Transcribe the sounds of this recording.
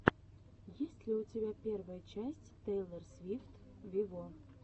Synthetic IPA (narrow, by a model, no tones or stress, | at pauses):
jesʲtʲlʲiwt͡sʲabʲapʲɛrvɐjɐt͡ʃasʲt͡sʲt̪ɛjlˠɐrsʲvʲift̪ | vʲivɔ